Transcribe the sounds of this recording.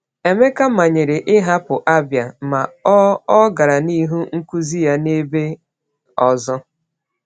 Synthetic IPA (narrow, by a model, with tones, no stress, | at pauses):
e˨me˦ka˦ma˨ɲe˨ɾe˨ʔɪ˦ɦa˦pʊ˨ʔa˦bja˨ma˨ɔ˦ɔ˦ɡa˨ɾa˨ni˦ɦu˦ŋ̩˦ku˦zi˦ja˦ne˦be˦ | ɔ˨zɔ˦